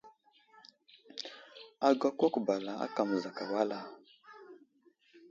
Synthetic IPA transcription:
a˨ɡa˦kɔ˦kba˨la˨a̰˦ka˨m̩˨za˨ka˨wa˦la˦

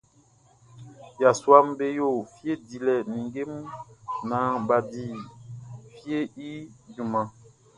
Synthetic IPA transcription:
ja˨swa˦m˦be˦jo˦˨fje˦di˨lɛ˨nĩ˨ŋɡe˦m˦nã˨˦ba˨di˨ | fje˦i˦d͡ʒu˨mã˨

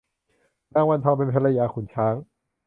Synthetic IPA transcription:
naː˧˥ŋwa˧nt̪ʰaː˧wpe˧npʰa˧la˧jaː˧kʰu˩˦nt͡ɕʰaː˦˥ŋ

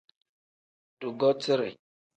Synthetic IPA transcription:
du˨ɡɔ˦ti˦ɾḛ˨

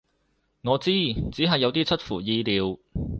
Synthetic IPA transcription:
ŋɔː˨˧t͡siː˥t͡siː˨˥ɦɐ˨jːɐ˨˧wt̪iː˥t͡sʰɵ˥t̚fuː˨˩jiː˧liː˨˧w

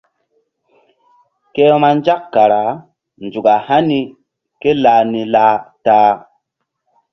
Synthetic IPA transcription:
ke˦ma˦n˦d͡ʒa˦kːa˨ɾa˨˦ | nd͡ʒu˨ɡa˨ha˦ni˨ | ke˦la˨ni˨laː˦taː˦

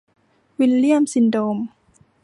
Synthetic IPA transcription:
wi˧lli˥˩əmsi˧˦ndoː˧m

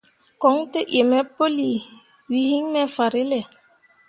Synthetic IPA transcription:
kɔ˨˦ŋtə˦ʔe˨mɛ˦po˦li˨ | wi˨hi˦ŋmɛ˦fa˨ɾe˦lɛ˨

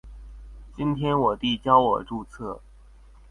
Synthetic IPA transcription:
t͡ɕi˥nt̪ʰjɛ˥nwɔ˨˩t̪i˥˩t͡ɕjɑ˥ʊwɔ˨˩ʈ͡ʂu˥˧t͡sʰɤ˥˩

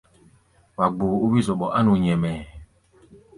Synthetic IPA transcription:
wa˨ɡ͡boː˨u˦wi˦zɔ˨ɓɔ˨ʔa˦nu˨ɲɛ˨mɛ˨

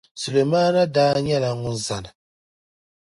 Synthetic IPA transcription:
su˨le˨ma˦na˦daː˦ɲa˦la˨ŋu˦n̩˦za˨na˨

